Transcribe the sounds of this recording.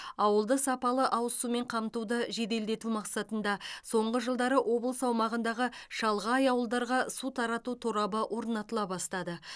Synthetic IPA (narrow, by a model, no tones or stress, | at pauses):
ɑwəlˠd̪əsɑpɑlˠəʔɑwəsume̞ɴqʰɑmt̪ud̪əʒe̞d̪e̞ld̪e̞t̪umɑqsɑt̪ənd̪ɑso̞ɴʁəʒəlˠd̪ɑɾəʔo̞blˠəsɑwmɑʁənd̪ɑʁəʃɑlˠʁɑɑjɑwəlˠd̪ɑɾʁɑsut̪ʰɑɾɑt̪ut̪ʰuɾɑbəʔwʔo̞ɾnɑt̪əlˠɑbɑst̪ɑd̪ə